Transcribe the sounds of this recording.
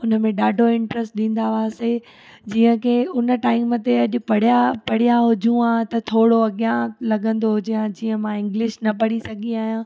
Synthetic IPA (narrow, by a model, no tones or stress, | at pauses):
ʊnə̆mẽɗaːɖʱoɪ̃ɳʈɾəsʈɗĩːn̆d̪aʋaːse | d͡ʑiːə̃kʰeːʊnə̆ʈaːɪmət̪eɐʄʊ̆pɐɽ̤ijapɐɽ̤ijaɦʊd͡ʑũãːt̪ɐt̪ʰoːɽoɐɠɪjãlɐɠə̃nd̪oɦʊd͡ʑijãd͡ʑiːə̃mãɪ̃ŋɡlɪʃnɐpɐɽisɐɡʱiaːɦijãː